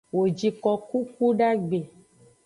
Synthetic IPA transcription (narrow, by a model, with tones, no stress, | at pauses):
wo˨d͡ʒi˨kɔ˨ku˦ku˦ɖa˦ɡ͡be˨